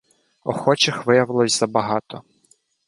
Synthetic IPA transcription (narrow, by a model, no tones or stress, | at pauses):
ɔ̰xɔt͡ʃɪxʋɪjɐʋɪlˠɔsʲz̥ɐbɐɦɑt̪ɔ